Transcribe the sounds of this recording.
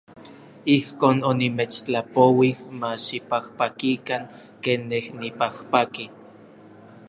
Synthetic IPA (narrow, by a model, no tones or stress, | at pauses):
ihkoːnonimet͡ʃt͡ɬapowihmaʃipahpakikaŋ | kenːehnipahpaki